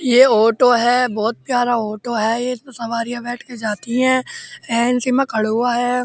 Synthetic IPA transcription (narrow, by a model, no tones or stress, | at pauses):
jeoːʈoɦɛːbɔːt̪̚pjaːɾaoːʈoɦɛːjesɐʋaːɾijãbɛːʈʰked͡ʒaːt̪iɦɛ̃ːɛ̃ːnsimãkʰɐɽɦʊaɦɛː